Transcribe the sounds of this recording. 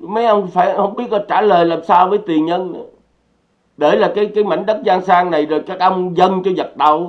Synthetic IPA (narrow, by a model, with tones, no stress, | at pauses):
mə˨˦jʔə˧wŋ͡mfaː˧˩jhə˧wŋ͡mɓi˦˥ət̚lɔ˨˧˦t͡ɕaː˧˩ləː˨˩jlaː˨˩msaː˧wvəː˨˦jt̪i˨˩ənɲə˧nə˨˦ | ɗe˧˩laː˨˩kaː˨˦jkaː˨˦jma̰˧˩jŋ̟ɗə˦˥t̚zaː˧ŋsaː˧ŋna˨˩jzɔ˨˩jkaː˦˥k̚ʔə˧wŋ͡mzə˧nt͡ɕɔ˧zə˨˩t̚ɗa˨˩w